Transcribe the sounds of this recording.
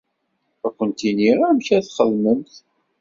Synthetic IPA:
ækʷːənt̪iniɾamçæθχəðməmθ

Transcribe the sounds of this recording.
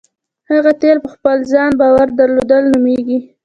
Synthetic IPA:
haɣat̪elpəxpəlzɑnbɑwaɾd̪aɾlod̪əlnumeɡi

